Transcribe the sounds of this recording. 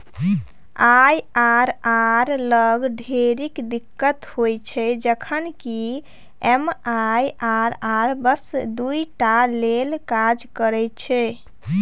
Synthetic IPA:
ajaɾaɾləɡɖʱeɾikd̪ikːət̪hojt͡ʃʰɛd͡ʒəkʰənki | ɛmajaɾaɾbəsd̪ujʈalelkad͡ʒkəɾɛt͡ʃʰɛ

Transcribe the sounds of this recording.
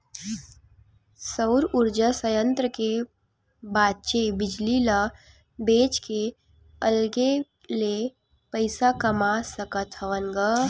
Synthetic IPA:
səʊɾʊɾd͡ʒasəjə̃nt̪ɾəke | baːd̪t͡ʃebɪd͡ʒlila | beːt͡ʃke | əlɡe | le | pəɪsakɐmasəkət̪ɦəʋəŋɡə

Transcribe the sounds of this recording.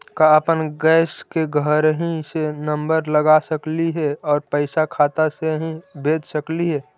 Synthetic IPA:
kaəpənɡɛːskeɡʱəɾɦĩsenə̃mbəɾləɡasəkliɦɛɔːɾpəɪsakʰaːt̪aseɦĩbeːd͡ʒ̪səkliɦɛː

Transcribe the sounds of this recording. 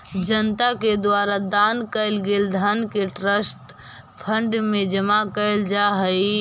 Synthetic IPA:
d͡ʒənt̪aked̪waːɾad̪ankəɪlɡeːld̪ʱankeʈɾəsʈ | pʰə̃ɳɖmẽd͡ʒəmakəɪld͡ʒaɦəi

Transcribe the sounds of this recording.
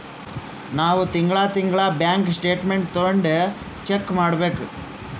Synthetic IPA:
naːʋut̪iŋɡɭaːt̪iŋɡɭaːbjaːŋksʈe̞ːʈmeɳʈ̚t̪oɳɖe | t͡ʃekːmaːɽbe̞ːku

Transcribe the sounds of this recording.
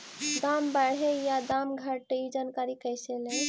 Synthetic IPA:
d̪ambəɽɦejad̪amɡʱaʈid͡ʒankaɾikəjselẽ

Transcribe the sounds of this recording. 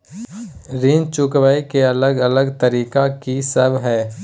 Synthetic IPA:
ɾint͡ʃʊkwəikeɐləɡɐləɡt̪əɾiːkakisəbʱɦɛː

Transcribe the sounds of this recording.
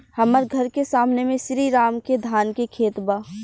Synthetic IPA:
həməɾɡʱəɾkesaːmnemẽʃɾiɾaːmked̪ʱaːnkekʰeːt̪ba

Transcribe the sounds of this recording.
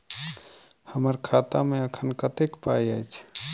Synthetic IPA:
həməɾkʰat̪amẽəkʰənkət̪ekpajəjt͡ʃʰ

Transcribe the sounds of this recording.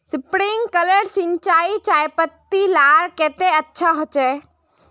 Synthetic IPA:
supɾiŋɡkələɾsiɲt͡ʃaːit͡ʃajpət̪ːilaɾkeːt̪eətːʃʰaɦot͡ʃɛ

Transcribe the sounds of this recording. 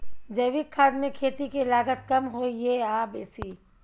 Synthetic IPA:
d͡ʒɐɪʋɪkʰːaːd̪mẽkʰeːt̪ikelaːɡət̪̚kɐmɦoːjeaːbeːsiː

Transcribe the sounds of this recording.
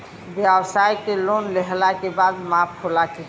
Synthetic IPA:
bjabsajkelonleɦlakebad̪mapʰholake

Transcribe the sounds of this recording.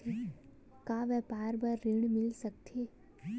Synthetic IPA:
kaːʋɛpaːɾbəɾːiɳmɪlsək̚t̪ʰe

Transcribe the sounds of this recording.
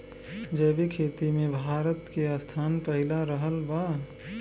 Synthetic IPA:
d͡ʒəːbikʰeːt̪imẽbʱaːɾət̪keəst̪ʰaːnpəɦɪlaɾəɦəlʋa

